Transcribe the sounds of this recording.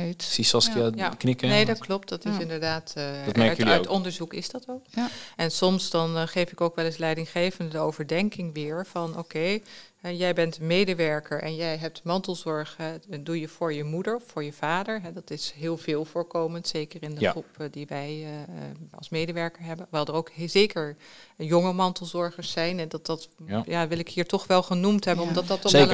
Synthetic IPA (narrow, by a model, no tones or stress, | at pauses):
sisɔskajaknɪkənejdɑtklɔp̚tdɑtɪsɪndəɹdaːtːtmɛjitɔndəɹzukɪsdɑtɔkɛnsɔmsdɑnχejfɪkowkʋɛlɪslɛjdɪŋχejvənddəowvəɹdɛŋkɪŋʋɪːɹvɑnokej | ɛjɛjbɛntmejdəʋɛɹkəɹʔɛ̰njɛjɦɛp̚tmɑntəlˠzɔɹχɛdujəvʊːɹjəmudəɹffʊːɹjəv̥aːdəɹɦɛdɑtɪsɦɪːlˠvɪːlˠvʊːɹkowməntsejkəɹɪndəχrupdiʋɛj | ɑ̰lˠsmejdəʋɛɹkəɹɦɛbənʋɛlˠdəɹowkzejkəɹjɔŋəmɑntəl̩ˠzɔɹχəɹsɛjnɦɛdɑtdɑtjaːʋɪlˠɪkɦiːɹtɔχʋɛlˠχənumtɦɛbənɔmdɑtdɑtːɔ